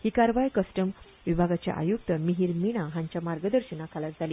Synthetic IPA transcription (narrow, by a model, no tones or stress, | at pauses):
hiːkaɾʋajkəsʈəm | ʋibʱaɡat͡ɕja̰ʔa̰juk̚t̪əmiɦiɾmiɽ̃aɦãɲt͡ɕjamaɾɡəd̪əɾɕinakʰalat̪d͡zʱali